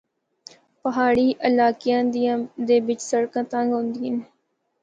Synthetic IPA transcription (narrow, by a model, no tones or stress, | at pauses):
pəɦaːɽiːʔəlaːkɪjãːd̪d̪eːbɪt͡ʃsəɽkãːt̪ãŋɡɦõnd̪iːən